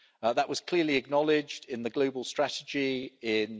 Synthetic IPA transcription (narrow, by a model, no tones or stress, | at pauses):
ðəʔwʔɒz̥kʰl̥ɪəliəɡ̚nɒlɪd͡ʒdɪ̃nðəɡləʊbəlˠstɹ̥atɪd͡ʒiɪ̃n